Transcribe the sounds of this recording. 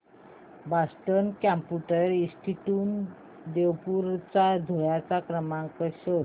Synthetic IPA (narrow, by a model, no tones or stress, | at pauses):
basʈənkãmpuʈəɾĩsʈʰiʈun | d̪ewpuɾt͡sad̪ʱojjat͡sakɾəmãŋkəɕə